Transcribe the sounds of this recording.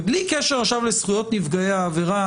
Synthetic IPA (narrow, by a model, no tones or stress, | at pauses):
blikeʃeʁaʃavlesχujo̞tnivɡaeaːveʁa